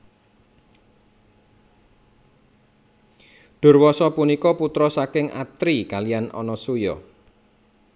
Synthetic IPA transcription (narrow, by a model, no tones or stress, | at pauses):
ɖ̥ʊ̤rwɔsɔpunikɔput̪ɾɔsakɪŋʔa̰t̪ɾikalijanɔ̰nɔsujɔ̰